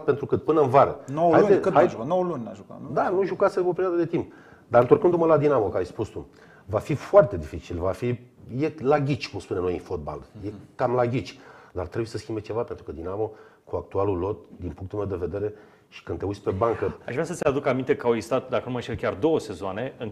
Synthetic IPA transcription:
pe̞nt̪ɾukɨt̪̚pɨnəɨnvaɾənowajueɨhajʒnowəlunʲaʒuka̰nd̪anuʒukaseope̞ɾiad̪əd̪e̞t̪imp | d̪aɾɨnt̪orkɨnd̪uməlad̪inamo̞kəajʲspust̪u | vafifoart̪e̞d̪ifit͡ʃilvafi | je̞laɡʲit͡ʃʲkumspunemnojɨnfo̞t̪̚ba̰ljekamlaɡʲit͡ʃʲd̪art̪ɾebuje̞səskimbet͡ʃe̞vape̞nt̪ɾukəd̪inamo̞kuak̚t̪ualulo̞t̪̚d̪inpuŋkt̪ulmewd̪e̞ve̞d̪e̞ɾe̞ | ʃi̥kɨnt̪e̞usʲpe̞baŋkəa̰ʒvɾasət̪sʲead̪ukamint̪e̞kawist̪at̪d̪akənuməʃekʲard̪o̞wəse̞zoane̞ɨŋ

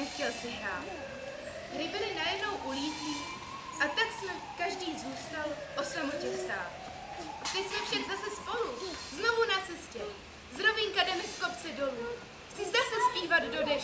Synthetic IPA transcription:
nɛxcɛlsɪɦɾa̰ːt̪ | ɡɾɪbɪlɪnajɛdno̞wʔuliːciː | ʔat̪aksmɛkaʒdiːzuːst̪alʔo̞samocɛst̪a̰ːt̪ | at̪ɛsmɛfʃaɡzasɛspo̞luzno̞vunat͡sɛscɛ | zɾo̞vɪnkadɛmɪsko̞pt͡sɛdo̞luː | t͡sɪzdasɛspiːvad̪do̞dɛ

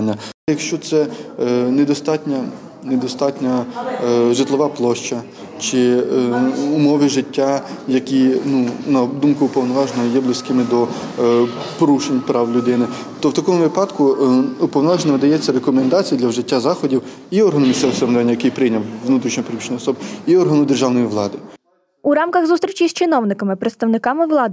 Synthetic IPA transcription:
nʲːɐjɐkʃt͡ʃɔt̪sɛnɛd̪ɔst̪ɑtʲnʲɐ | nɛd̪ɔst̪ɑtʲnʲɐ | ʒɪt̪lˠɔʋɑplˠɔʃt͡ʃɐ | t͡ʃɪ | ʊmɔʋɪʒɪtʲːajɐkʲinunɐd̪umkʊːpɔwnɔʋɑʒnɔɦɔjɛblˠɪsʲkɪmɪd̪ɔ | pɔɾuʃenʲpɾɑwlʲʊd̪ɪnɪ | t̪ɔwt̪ɐkɔmʊʋɪpɑd̪kʊːpɔwnɔʋɑʒnɪmɪd̪ɐjɛt͡sʲːɐɾekɔmend̪ɑt͡sʲijɐd̪lʲɐwʒɪtʲːazɑxɔdʲiw | iɔrɦɐnʊmʲisʲt̪ɛʋɪsɾmnd̪ʋɛnʲːɐjɐkɪjpɾɪjnʲɐwʋnut̪ɾʲiʃɲʲɔpɾʲiit͡ʃnʲijɔsɔbɪiɔrɦɐnʊd̪erʒɑwnɔjiʋlˠɑd̪ɪ | uɾɑmkɐɣzust̪ɾʲit͡ʃʲisʲt͡ʃɪnɔwnɪkɐmɪpɾet̪st̪ɐwnɪkɑmɪʋlˠɑd̪ɪ

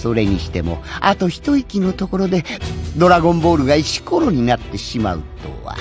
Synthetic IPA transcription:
so̞ɾe̞ɲ̟iɕi̥t̪e̞mo̞̰at̪o̞çi̥t̪o̞ikʲino̞t̪o̞ko̞ɾo̞d̪e̞d̪o̞ɾaɡõ̞mbo̞ːɾɯ̟ɡait͡ɕi̥ko̞ɾo̞ɲ̟inat̪ːe̞ɕima̰ɯ̟̰t̪o̰βa̰

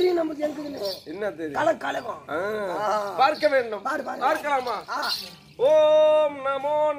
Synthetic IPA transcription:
ɾɪjɐ̃nɐmːɐkɛŋɡɐɽɯnːɯɛnːɐt̪ɛɾɪkɐlɐkɐlɐɣõːaːpaːɾkːɐʋeːɳɖɯmpaːɾpaːɾpaːɾkːɐɭaːmaːa | oːmnamoːn

